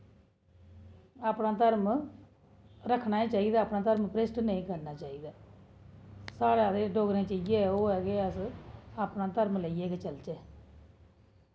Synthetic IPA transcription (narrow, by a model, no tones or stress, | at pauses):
aːpnaːt̪əɾm | ɾəkʰnaːiːt͡ʃaːiːd̪aːpnaːt̪əɾmpɾeːsʈnəĩːkəɾnaːt͡ʃaːiːd̪aː | saːɽaːd̪eːɖoːɡɾẽːt͡ʃəid͡ʒeːoːɦɛːɡeːəsaːpnaːt̪əɾmləijeːket͡ʃəlt͡ʃɛː